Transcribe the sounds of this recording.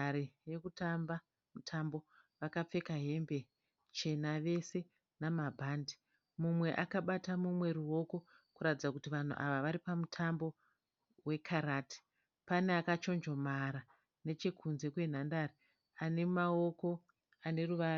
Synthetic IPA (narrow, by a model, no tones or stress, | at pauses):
aɾije̞kutamba | mutʰambo̞ʋakap͡fe̞kaɦe̞mbe | t͡ʃe̞naʋe̞se̞ | namabʱaːndi̥ | mumwe̞ʔakaɓatamumwe̞ruo̞ko̞ | kuɾatid͡zakutiʋan̤ṵʔa̰ʋaʋaɾipamutʰambo̞ | we̞kʰaɾaːti̥ | pane̞akat͡ʃo̞nd͡ʒo̞maɾa | ne̞t͡ʃekʰunze̞kwe̞n̤andari | ane̞mao̞ko̞ | ane̞ruʋaru